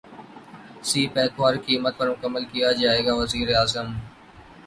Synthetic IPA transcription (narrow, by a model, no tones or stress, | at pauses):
siːpɛːt̪ʰwʋaːɾkiːmət̪̚pɐɾmʊkəmːəlkijad͡ʒaːeːɡaːʋɐziːɾeaːzəm